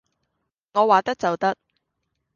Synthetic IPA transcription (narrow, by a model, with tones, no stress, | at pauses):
ŋɔː˨˧waː˨t̪ɐ˥k̚t͡sɐ˨wt̪ɐ˥k̚